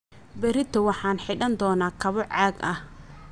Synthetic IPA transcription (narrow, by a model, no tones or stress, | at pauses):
bɛɾɪt̪ʰɐwɑħɑːnħɪɖɐnd̪ɔːnaːkʰɐβɔʕɑːɡɐh